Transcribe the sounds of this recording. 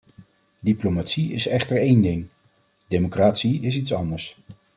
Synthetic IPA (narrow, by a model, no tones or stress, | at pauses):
diplomaːtsiɪsɛχtəɹejndɪŋ | dejmokraːtsiɪs̬itsɑndəɹs